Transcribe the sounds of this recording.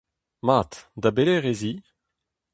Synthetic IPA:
maːt̪d̪abeleʁezi

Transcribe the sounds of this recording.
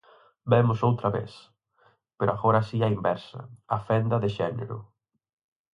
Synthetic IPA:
bɛmʊsowt̪ɾɐβḛθ | peɾoaɣoɾɐasiaimbɛɾsɐ̰afɛnd̪ɐðɪʃɛnḛɾʊ̰

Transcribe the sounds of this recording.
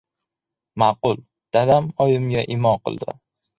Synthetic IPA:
maqʊlˠ | d̪̥ad̪amɒjɪmɡʲaʔɪmɒqɨ̰lˠd̪ɪ̰

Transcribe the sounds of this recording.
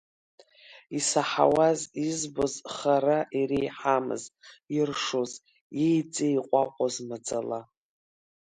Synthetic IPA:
isaħa̰wazizbozχaɾaʔiɾijħamɨ̰zirʂoz | jejt͡sʼeiqʷʼaqʷʼazmad͡zʼala

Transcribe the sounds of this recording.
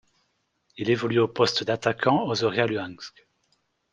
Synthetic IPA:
ilevɔlyopɔst̪d̪at̪akʰɑ̃ozɔʁjalyɛ̃nsk

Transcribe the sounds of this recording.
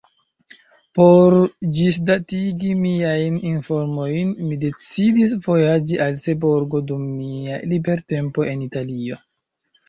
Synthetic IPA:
po̞ɾd͡ʒis̬datiɡimiajninfoɾmo̞jnmide̞t͡sidis̬vo̞jad͡ʒiʔalse̞boɾɡo̞dumːialibe̞ɾte̞mpo̞ʔe̞nitalio̞

